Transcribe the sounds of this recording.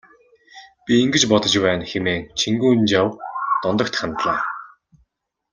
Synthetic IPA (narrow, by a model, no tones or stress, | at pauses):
pʲiːŋɡɘ̆t͡ɕpɔt̪ɞ̆t͡ɕpæːnxemeːnt͡ɕʰiŋɡuːnt͡ɕawt̪ɔnt̪ɞ̆kt̪χant̪ɮaː